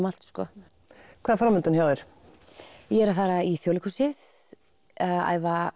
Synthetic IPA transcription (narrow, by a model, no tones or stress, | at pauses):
mal̥t̪skɔ | kʰvɛːðafɾawmʏnt̪ʏnçjaːwðɪɾ̥ | jɛɾaθaɾaiθjowlɪkusɪð | a̰jva